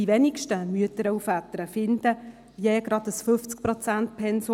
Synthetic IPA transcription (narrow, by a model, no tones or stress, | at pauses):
iʋɛnikʃtəmyətəɾəufæt̪əɾəfɪnd̪̥ə | viɛːɡɾɑdəsfʏft͡sk̚pɾot͡sænt̚pʰɛnso